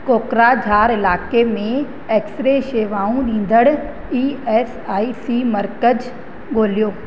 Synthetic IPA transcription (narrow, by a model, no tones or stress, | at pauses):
koːkɾad͡ʑʱaːɾɪlaːkemẽ | eːksɾeʃeːʋaːũɗĩːn̆d̪əɽ | iːɛːs | aːisimɐɾkəd͡ʑ | ɠoːlijoː